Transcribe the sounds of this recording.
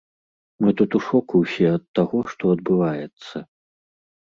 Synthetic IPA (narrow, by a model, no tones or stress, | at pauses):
mɨt̪ut̪uʂɔkuwsʲɛɐt̪ːaɣɔʂt̪ɔɐd̪̚bɨvajɛt̪sːɐ